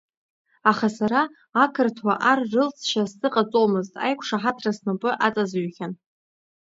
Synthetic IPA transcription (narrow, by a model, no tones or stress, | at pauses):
aχasaɾaː | kʰɨrtʰwaʔarːɨlt͡sʰʃastɨqʼat͡sʼomɨztʼa̰jkʷʰʂaħatʰrasnapʼɨʔat͡sʼazɥχʲan